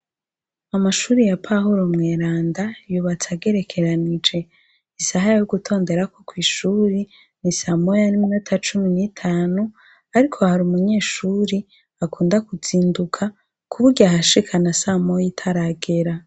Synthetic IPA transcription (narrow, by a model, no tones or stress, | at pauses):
amaʃuːɾijapʰaɦuɾo̞mŋeːɾaːndajuːβat͡saɡe̞ɾe̞kʰe̞ɾanid͡ʒe̞ | isaɦajoɡutʰo̞ːnde̞ɾako̞kwiːʃuːɾi | nisamojaniminutʰat͡ʃuminitʰaːnu | aɾikʰo̞haɾumuɲe̞ːʃuːɾi | akuːndakuz̥iːndukʰa | kuβuɾɡaɦaʃikʰanasamojitʰaɾaɡe̞ɾa